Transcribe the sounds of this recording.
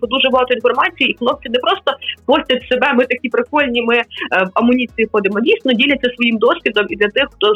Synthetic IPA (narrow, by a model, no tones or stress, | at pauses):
ɔd̪uʒɛbʊɦɑt̪ɔin̪fɔrmɑt͡sʲijiːxnˠɔpt͡ʃ̪ʲinɛpɾɔst̪ɔpɔsʲtʲɐt̪ʲsebɛmɪt̪ɐkʲipɾɪkɔlʲnʲimɪʋɐmʊnʲit͡sʲijixɔd̪ɪmɔdʲijsnʲnɔdʲilʲɐtt͡sʲːɐsʋɔjimd̪ɔsʲʋʲid̪ɔmid̪lʲɐt̪ɪxxt̪ɔ